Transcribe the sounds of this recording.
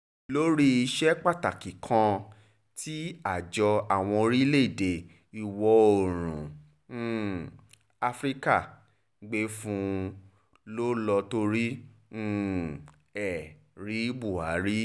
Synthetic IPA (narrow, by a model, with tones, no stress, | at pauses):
lo˦ɾi˦i˧ʃɛ˦k͡pa˦˨ta˨ki˨kʰã˧ | tʰi˦a˦˨d͡ʒɔ˧a˨w̃ɔ̃˧ɾi˦le˦i˦˨de˨ | i˨wɔ˧o˨ɾ̃ũ˨˦ | a˧fɾi˦ka˦˨ | ɡ͡be˧fũ˧˦ | lo˦lɔ˧to˧ɾĩ˦ | ɛ˨ | ɾi˨˦bu˦˨a˨˦ɾi˦